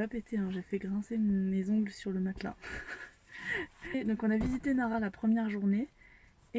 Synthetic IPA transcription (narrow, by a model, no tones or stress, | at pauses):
apet̪ʰeɛ̃ʒefɛɡʁɛ̃semɔ̃mezɔ̃ɡləsyʁləmat̪lɛ̰̃ | d̪ɔ̃kɔ̃navizit̪enaʁalapχəmjɛʁʒuʁneː